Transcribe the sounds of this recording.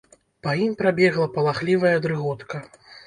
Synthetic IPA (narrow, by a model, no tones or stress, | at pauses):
paimpɾabʲɛɣlˠɐpɐlˠaxlʲivɐjɐd̪ɾɨɣɔt̪kɐ